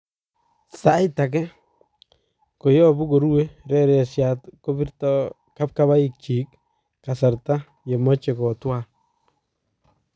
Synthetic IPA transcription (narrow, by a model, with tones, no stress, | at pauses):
sa˨jta˨k̬ɛ˦ | ko˨jɔ˦bʊ˦ɡo˨ɾu˦we˦ɾɛ˦ɾɛ˨sjatko˦bi˦ɾtɔ | ka˦p̚ka˦βa˦ɪk̚t͡ʃi˨k | ka˨sa˨ɾta˦ | je˨mɔ˦t͡ʃe˨kɔ˨twa˨